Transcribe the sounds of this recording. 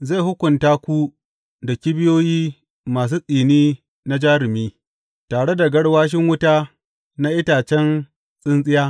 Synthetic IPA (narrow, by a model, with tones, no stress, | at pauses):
ze˦˨ɦʊ˦kʷʊ˨ntaː˦kʷu˦ | da˨kʲi˦bɪ˦joː˦jiː˦ | maː˨s̬uː˦sʼiː˨niː˦ | na˦d͡ʒaː˦ɾɪ˨miː˦ | taː˨ɽe˦da˨ɡɐ˦ɽwaː˦ʃ̬ɪ˦ŋwʊ˦taː˦ | na˦ʔɪ˦taː˨t͡ʃɛ˦n | sʼɪ˦nsʼɪ˦jaː˦